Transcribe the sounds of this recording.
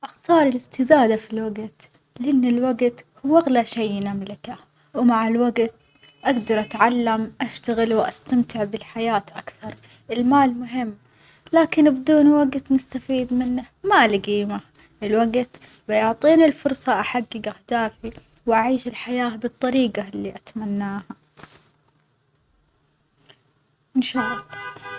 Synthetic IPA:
ʔaxt̪ɑːɾˤɪlɪst̪ɪzaːd̪afilwaɡt̪ | lɪʔɪnːɪlwaɡt̪hʊwːʔaɣlaʃajnamlɪka | wmaʕɪlwaɡt̪ | ʔaɡd̪ɑɾˤʔat̪ʕalːamʔaʃt̪aɣɪlwʔast̪amt̪ɪʕbɪlħajaːt̪ʔakθɑɾˤ | ɪlmaːlmʊɦɪmː | laːkɪnbɪd̪uːnwaɡt̪nɪst̪afiːd̪mɪnːa | maʔlɡiːma | ʔɪlwaɡt̪ | bɪjʊʕt̪ˤiːnilfʊɾˤsˤɑʔaħaɡːɪɡʔahd̪aːfi | wʔaʕiːʃɪlħajaːbɨt̪ˤːɑɾiːɡalːiʔat̪manːaːha | ʔɪnʃaːʔɑlˤːɑ

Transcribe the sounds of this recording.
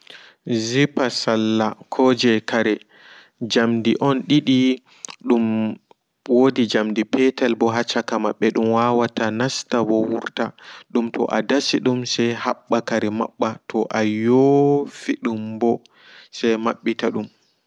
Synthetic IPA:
zipasalːakʰɔd͡ʒɛkaɾɛ | d͡ʒamdiʔɔnɗiɗi | ɗum | wodid͡ʒamdipɛtalbɔɦat͡ʃːakamaɓːɛɗumwawatanastawɔwṵɾtaɗumtʰɔ̰ʔadasiɗumsɛjhaɓːakaɾɛma̰ɓːatʰɔʔajofiɗumbɔ | sɛjmaɓːitaɗum

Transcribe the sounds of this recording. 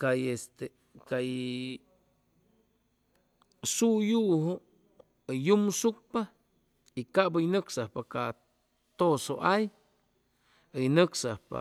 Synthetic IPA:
kajest̪e | kaj | sujuʔɦo | jumsuk̚pa | ikaʔbajnɨksahpakaʔ | t̪osoʔaj | ɨjnɨksahpa̰

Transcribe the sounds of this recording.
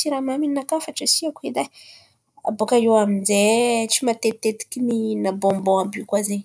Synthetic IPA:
tiɾamaminakafaʈ͡ʂəsiakued̪a | a̰bokaewaminzet͡ʃimat̪et̪et̪i̥kʲininabombõabikwazeɲ

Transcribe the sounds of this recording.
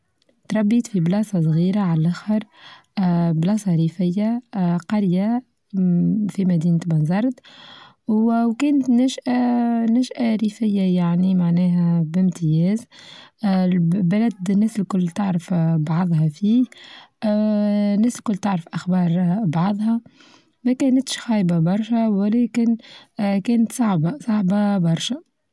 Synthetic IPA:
t̪ɾˤɑbːiːt̪fiblɑːsˤɑsˤɣiːɾaʕalʔæxɑɾˤ | blɑːsˤɑɾiːfɪjːaqɑɾja | fimæd̪iːnt̪bɑnzɑɾˤd̪ | wwkɛːnət̪næːʃʔanæːʃʔaɾiːfɪjːajaʕnimaʕnɛːɦæbɪmt̪ɪjɛːz | bælæd̪næslkʊlːt̪ɪʕɾəfbɑʕðˤɦɑfiːh | næslkʊlːt̪ɪʕɾəfʔaxbɑːɾˤbɑʕðˤhɑ | mækæːnæt̪ʃxɑːjbabɑɾˤʃæwɪlɛːkɪnkɛːnət̪sˤɑʕbasˤɑʕbabɑɾˤʃæ

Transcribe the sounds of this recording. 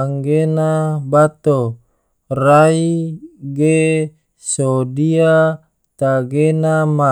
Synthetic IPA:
aŋɡenabat̪o | raiɡe | sodia | t̪aɡenama

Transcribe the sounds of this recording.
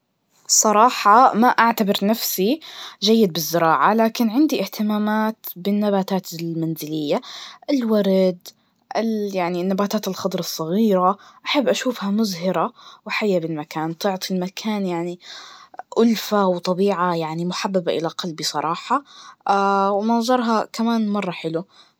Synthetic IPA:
sˤɑɾˤɑːħɑmaʔaʕt̪abɪɾnafsid͡ʒajːɪd̪̚bɪzːɪɾɑːʕalaːkɪnʕɪnd̪iʔɪht̪ɪmaːmaːt̪bɪnːabaːt̪aːt̪ɪlmanzɪlɪjːaʔɪlwaɾd̪ | ʔɪljaʕninːabaːt̪aːt̪ɪlxɑd̪ˤɾˤɑsˤːɑɣiːɾaʔaħabːʔaʃuːfhamʊzhɪɾawħajːabɪlmakaːnt̪ʊʕt̪ˤʰilmakʰaːnjaʕni | ʔʊlfawt̪ˤɑbiːʕajaʕnimʊħabːabaʔɪ̰laqɑlbisˤɑɾˤɑːħɑawmɑzˤɑɾˤɦɑkamaːnmɑrˤːɑħɪlu

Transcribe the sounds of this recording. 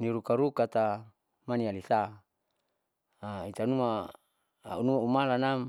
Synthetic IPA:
niɾukaɾukat̪a | manialisa | ait̪anuma̰ | unumaumalanam

